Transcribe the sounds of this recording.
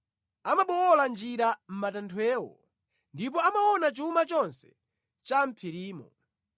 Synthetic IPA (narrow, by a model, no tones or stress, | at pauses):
amaɓɔwɔland͡ʒiɾam̩matantʰwɛːwɔ̰ | ndip̬ɔamawɔnat͡ʃumat͡ʃɔnsɛ̥ | t͡ʃam̩pʰiɾiːmɔ̰